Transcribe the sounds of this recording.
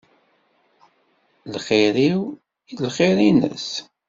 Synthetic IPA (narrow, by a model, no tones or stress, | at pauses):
lχɪɾiw | ilχiɾinə̰s